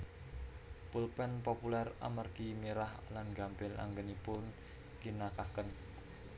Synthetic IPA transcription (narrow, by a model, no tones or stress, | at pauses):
pulpɛnpopulɛra̰mərɡ̥imiɾahlanɡa̤mpɪla̰ŋɡənipʊn | kinakakən